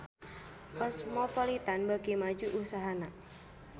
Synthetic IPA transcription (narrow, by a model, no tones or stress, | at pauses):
kɔsmɔpɔlit̪anbaɡimad͡ʒuʔusaɦana